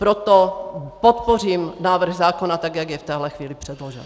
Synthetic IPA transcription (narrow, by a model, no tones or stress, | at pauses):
pɾot̪opot̪poriːmnaːvr̩ɣzaːkonat̪aɡjaɡjɛft̪ɛːɦlɛxviːlɪpr̥ɛd̪loʒɛ̰n